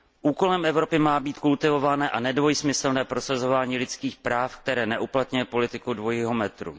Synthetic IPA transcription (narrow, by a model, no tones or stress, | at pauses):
ʔuːko̞lɛmʔɛvɾo̞pɪmaːbiːt̪kult̪ɪvo̞vanɛːʔanɛdvojsmɪsl̩nɛːpɾo̞sazo̞vaːɲiːlɪt͡skiːxpɾaːfk̚t̪ɛɾɛːnɛʔuplat̪ɲujɛpo̞lɪt̪ɪkudvo̞jiɦo̞mɛt̪ɾṵ